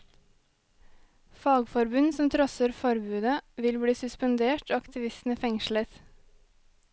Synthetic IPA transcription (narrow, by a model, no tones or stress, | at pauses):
fɑːɡfɔɾbʉnsɔmt̪ʰɾœsəɾfɔɾbʉːd̪əʋɪlbɽiːsʉspənd̪eːʈoːɑkt̪ʰɪʋɪst̪n̩əfɛŋʃlət̪